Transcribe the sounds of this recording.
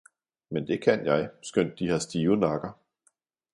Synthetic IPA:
mend̥e̝kʰænjɑ̈ɪsɡ̥øn̰d̥̚ːihɑ̈sd̥iːʊnɑ̈ɡ̥ɐ

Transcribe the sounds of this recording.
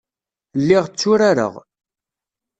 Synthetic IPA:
lːiʁt͡sːʊɾaɾə̰ʁ

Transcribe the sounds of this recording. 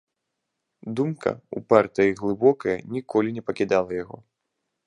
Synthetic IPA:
d̪umkʰɐ̰ṵpart̪ɨjiɣlˠɨbɔkɐjɐnʲikʰɔlʲinʲɛpɐkʲid̪alˠɐjaɣɔ̰

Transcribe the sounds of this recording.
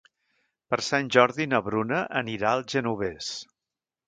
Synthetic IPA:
pəɾsanʲʒɔɾðinəβɾunəʔəniɾaəlˠʒənuβes

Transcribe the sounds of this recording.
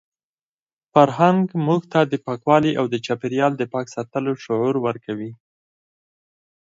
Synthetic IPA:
faɾɦaŋɡmuɡt̪ad̪əpɑkwɑliʔawd̪ət͡ʃɑpeɾjɑld̪əpɑksɑt̪əloʃʊʕuɾwəɾkʰawi

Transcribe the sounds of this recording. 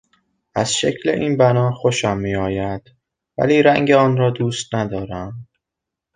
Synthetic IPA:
ʔæz̥ʃecʰle̞̰ʔiːnbænɒːxo̞ʃæmːiːɒːjæd̪̥ | væ̰liːɾæŋɟeɒːnɾɒːd̪uːst̪næd̪ɒːɾæm

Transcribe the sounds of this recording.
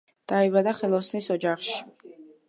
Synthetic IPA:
d̪̥aɛbad̪aχɛlˠɔsnisɔd͡ʒaχʃi̥

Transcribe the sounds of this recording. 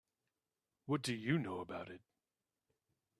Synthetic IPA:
wʌt̚d̥ɨjɨnoʊəbaʊɾɪt̚

